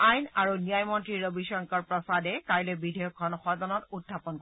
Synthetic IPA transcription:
ajnaɹunijajmɔntɹiɹobiʃɔŋkɔɹpɹɔsadɛkaɹilɛbidʱɛjɔkʰːɔnxɔzɔnɔtudʱːapɔnkɔ

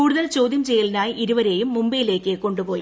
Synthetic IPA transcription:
uːɽuðɐlt͡ɕoːd̪jɐmt͡ɕejːɐlinaːjiiɾuʋɐɾe̞ːjumːumbijile̞ːkːɨko̞ɳɖupo̞ːji

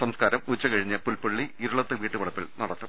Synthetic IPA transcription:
sɐmskaːɾɐmut͡ɕːɐkɐɻiɲːɐpulpɐɭːiːɾuɭɐt̪ːeʋiːʈːɨʋɐɭɐpːiɭnɐɽɐt̪ːɐm

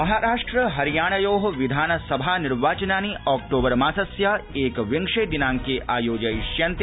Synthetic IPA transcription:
mɐɦaːɾaːʂʈɾəɦɐɾijaːɳ̃ɐjoːɦʋid̪ʱaːnɐsɐbʱaːniɾʋaːt͡ʃɐnaːniʔɔːk̚ʈoːbɐɾmaːsɐsjaeːkʋiŋʂejd̪inãːŋkeʔaːjoːd͡ʒɐjʃjɐnt̪

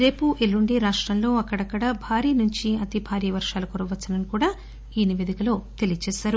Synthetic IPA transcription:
ɾe̞ːpuʔelːuɳɖiɾaːʂʈɾɐmlo̞ːɐkːɐɽɐkːɐɽɐbʱaːɾiːnuɲt͡ʃiɐt̪ibʱaːɾiːʋɐɾʂaːlukoːɾɐʋɐt͡ʃːɐnɐnikuːɽaː | iːniʋeːd̪ikɐlo̞ːt̪e̞lijɐt͡ʃɛːʃaːɾu

